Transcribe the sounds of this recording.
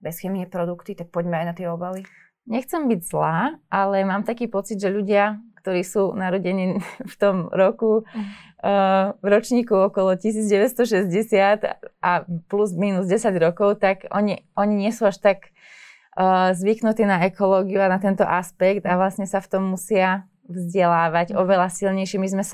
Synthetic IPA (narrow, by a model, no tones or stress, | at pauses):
bɛsxɛmiɛpɾɔd̪ukt̪it̪ak̚pɔɟmɛajnat̪ɪɛɔbali | ɲɛxt͡sɛmbiɟzlaːʔalɛmaːmt̪akiːpɔt͡sid̪ʒɛʎuɟɪakt̪ɔɾiːsuːnaɾɔɟɛniːft̪ɔmɾɔku | vɾɔt͡ʃɲiːkuɔkɔlɔcisiːd͡zɟɛʋɛtst̪ɔʃɛzɟɛsɪat̪ʔapluzmiːnuzɟɛsaɟɾɔkɔʊt̪aɡɔ̰ɲiʔɔɲiɲɪɛsuːaʃt̪aɡ | zʋiknut̪iːnaɛkɔlɔːɡiuanat̪ɛnt̪ɔ̰ʔaspɛkt̪aʋlasɲɛsaft̪ɔmːusɪa | vzɟɛlaːʋaɟɔʋɛlasilɲɛjʃɪɛmizmɛs